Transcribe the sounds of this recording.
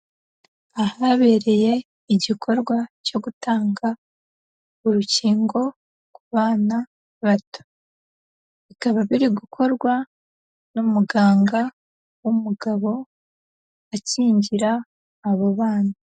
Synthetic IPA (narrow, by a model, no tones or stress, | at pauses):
ahaβe̞ːɾe̞je̞ | iɟikʰo̞ɾɡwaco̞ɡutaːŋɡa | uɾuciːŋɡo̞ | kuβaːna | βato̥ | βikaβaβiɾiɡukʰo̞ɾɡwa | numuɡaːŋɡa | wumuɡaβo̞ | aciːɲɟiɾaː | βoβaːna